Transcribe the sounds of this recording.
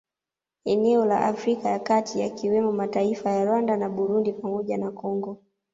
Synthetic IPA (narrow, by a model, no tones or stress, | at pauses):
ɛnɛɔla̰ʔafɾikajakatʰija̰kiwɛmɔmataifajaɾwandanaɓuɾundipamɔʄanakɔŋɡɔ